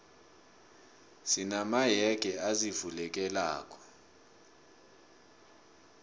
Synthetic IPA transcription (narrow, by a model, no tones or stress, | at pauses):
sinamajɛɡ̥ʱʼɛazivulɛk̬ʼɛla̰ːkʼɔ̥